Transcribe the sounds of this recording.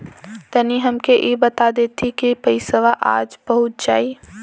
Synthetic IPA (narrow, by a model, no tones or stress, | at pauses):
t̪ɐniɦɐmkeʔibɐt̪ad̪eːt̪ʰikipɐɪsəʋaʔa̰ːd͡ʒbɐɦʊt̪̚d͡ʒaːi